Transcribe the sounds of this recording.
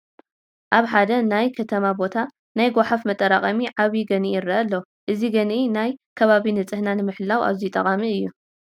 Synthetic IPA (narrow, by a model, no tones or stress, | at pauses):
ʔaβħad̪ɐnajkʰɐt̪ʰɐmabo̞t̪ʰa | najɡʷaħafmɐt̪ʼːɐɾaqʼɐmiʕaβiɡɐnijɪɾːɐɐlːɐ | ʔɨziɡɐnʔinajkʰɐβaβinɨt͡sʼɨhnanɨmɨħlːawa̰βzit̪ʼɐχʼamiɨjːu